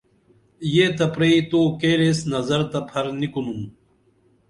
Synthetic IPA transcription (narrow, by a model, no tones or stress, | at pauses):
jeːt̪ɐpɾeit̪oːkeːɾesnɐzɐɾt̪ɐpʰɐɾnikunum